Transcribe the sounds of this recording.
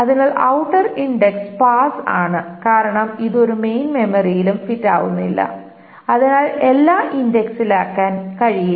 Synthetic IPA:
ɐðinaːɭʔɐwʈːɐriɳɖekspaːsaːɳɨkaːɾɐɳɐmiðo̞ɾume̞jnme̞mɐrijilumfitːa̰ːʋunːilːɐ̰ | ɐðinaːlelːaːʔindeksilaːkːaːnkɐɻiji

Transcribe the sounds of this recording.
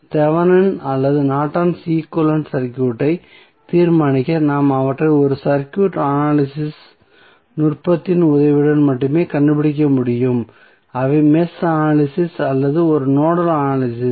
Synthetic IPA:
t̪ɛʋɐnɐnɐlːɐðɯnaːʈːaːnsiːkɔlɐnsɐɾkjuːʈːɐɪ | t̪iːɾmaːɳɪkːɐnaːmɐʋɐʈrɐɪɔɾɯsɐɾkjuːʈːɐnaːlɪsɪs | nʊrpɐt̪ːɪnʊðɐʋɪɽɐnmɐʈːɯmeːkɐɳɖɯpɪɽɪk̬ʲːɐmʊɽɪjɯm | ɐʋɐmɛsɐnaːlɪsɪsɐlːɐðɯɔɾɯnoːɽɐlanaːlɪsɪ

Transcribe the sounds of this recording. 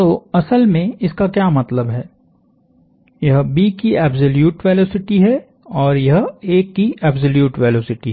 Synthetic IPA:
t̪oːɐsəlmẽɪskakjaːmɐt̪ləbɦɛː | jɐɦbiːkiɛːbzoljuːʈʋɛːloːsɪʈiɦɛ | ɔːɾjɐɦeːkːiɛːbzoljuːʈʋɛːloːsɪʈiɦ

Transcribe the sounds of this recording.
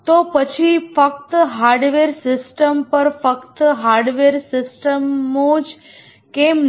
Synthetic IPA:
t̪opət͡ʃʰifəkt̪ɦaɾɖʋeɾsɪsʈəmpəɾfəkt̪ɦaɾɖʋeɾsɪsʈəmːõd͡ʒ | kem

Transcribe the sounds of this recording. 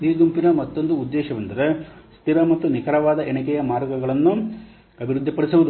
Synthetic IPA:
d̪iːɡ̪umpinɐmɐt̪ːo̞nd̪uːd̪ːɛːʃɐʋɐnd̪ɐɾe̞st̪iɾɐmɐt̪ːunikɐɾɐʋaːd̪ɐʔenɐkɛjɐmaːɾɡɐɡɐɭɐnːu | ɐbʱiɾud̪ʱːipɐɽisuʋud̪u

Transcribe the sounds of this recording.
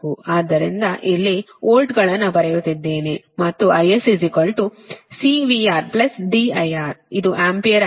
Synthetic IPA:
uaːd̪ːɐɾind̪ɐʔilːi | oːlʈɡɐɭɐnːɐbɐɾejut̪id̪ːe̞ːne | mɐt̪ːuʔɐjesisikɐlʈusiːʋiːaːɾplɐsɖiɐjaːɾid̪uʔaːmpijɐɾ

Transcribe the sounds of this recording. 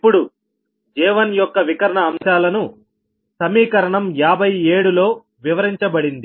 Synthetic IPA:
ipːuɽu | d͡ʒɛːʋɐnjɔkːɐʋikɐɾɐɳɐːmʃaːlɐnu | sɐmiːkɐɾɐɳɐmjaːbʱɐjeːɽulo̞ː | ʋiʋɐɾiɲt͡ʃɐbɐɽind̪i

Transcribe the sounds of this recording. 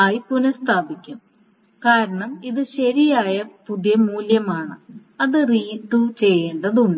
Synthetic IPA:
aːjipunɐst̪ʰaːbikʲːum | kaːɾɐɳɐmiðɨɕɐɾijaːjɐpud̪jɐmuːljɐmaːɳɨ | ɐðɨriːt̪ːut͡ɕe̞jːeːɳɖɐðuɳɖ

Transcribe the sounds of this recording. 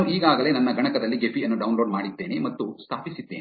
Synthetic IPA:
uʔiːɡaːɡɐle̞ːnɐnːɐɡʱɐɳɐkɐd̪ɐlːiɡepʰiɐnːuɖɐwnloːɖmaːɽit̪ːe̞ːnemɐt̪ːust̪ʰaːpisit̪ːeːn

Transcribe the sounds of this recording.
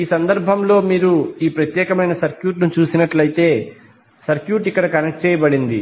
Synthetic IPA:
iːsɐnd̪ɐɾbʱɐmlo̞ːmiːɾuiːpɾɐt̪jɛːkɐmɐjnɐsɐɾkjuːʈnut͡ʃuːsinɐʈlɐjit̪e̞ː | sɐɾkjuːʈikːɐɽɐkɐnek̚ʈ̚t͡ʃɛːjɐbɐɽind̪ḭ

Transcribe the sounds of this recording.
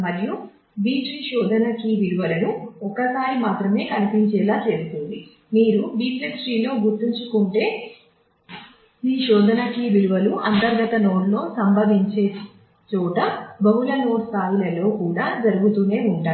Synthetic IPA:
mɐɾiju | biːʈɾiʃɔːd̪ʱɐnɐkiʋiɽuʋɐlɐnuɔkɐsaːɾimaːt̪ɾɐme̞ːkɐnipiɲt͡ʃɛːlaːt͡ʃe̞ːst̪ond̪i | miːɾubiːʈɾeʃɾiːlo̞ːɡuɾt̪ːiɲt͡ʃukuɳʈe̞ː | iːʃɔːd̪ʱɐnɐkiʋiɽuʋɐluʔɐnt̪ɐɾɡɐt̪ɐnoːɖlo̞ːsɐmbʱɐʋiɲt͡ʃe̞ː | t͡ʃuːʈɐbɐɦulɐnoːst̪ʰaːjilɐlo̞ːkuːɽaːd͡ʒɐɾuɡut̪uːne̞ːuɳʈaː

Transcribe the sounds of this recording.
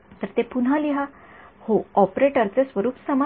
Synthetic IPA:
t̪əɾt̪epun̤aliɦa | hoɔpɾeʈəɾt͡sesʋəɾuːpsəma

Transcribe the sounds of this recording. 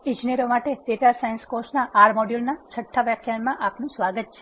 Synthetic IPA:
ĩd͡ʒineɾomaʈet̪et̪asajənskosnaʔaɾmoɖjulnat͡ʃʰəʈʰːaʋjəkʰjanmãʔapnũsʋaɡət̪̚t͡ʃʰe̥

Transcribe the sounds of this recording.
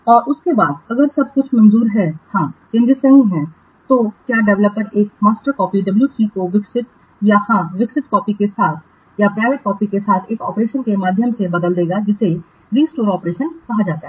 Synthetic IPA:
ɔːɾʔʊskebaːd̪̚ɐɡəɾsɐb̚kʊt͡ʃʰmɐ̃nzuːɾɦɛhãːt͡ʃɪ̃nd̪isɐ̃ŋɡɦɛ̃ | t̪okjaːɖɛʋləpːəɾeːk̚maːsʈəɾkɔːpiɖɐbljuːsiːkoʋɪksɪt̪ | jahãːʋɪksɪt̪kɔːpikesaːt̪ʰ | japɾaːɪʋɪʈ̚kɔːpikesaːt̪ʰeːkɔːpɾeːʃənkemaːd̪ʱjəmsebɐd̪əld̪eːɡad͡ʒɪse | ɾiːsʈoːɾɔːpɾeːʃənkɐɦad͡ʒaːt̪aɦɛ

